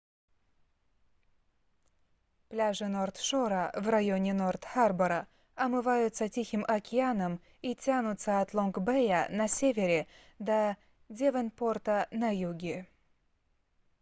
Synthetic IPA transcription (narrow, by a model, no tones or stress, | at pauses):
plʲaʐɨnort̪ʂoɾɐvrajonʲɪnort̪xarbɐɾɐ | ɐmɨvajʊt̪sɐtʲixʲimʔɐkʲɪanəm | itʲanʊt̪səɐt̪lˠonkbɛjanɐsʲevʲeɾʲɪd̪a | dʲevənport̪ɐnajuɡʲɪ